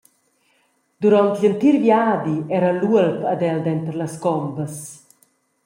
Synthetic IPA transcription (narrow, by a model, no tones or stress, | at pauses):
d̪̥uɾɔnt̪ʎənt̪iɾvjaːd̪iɛɾanluəlpad̪ɛld̪ɛnt̪ɾlaskɔmbəs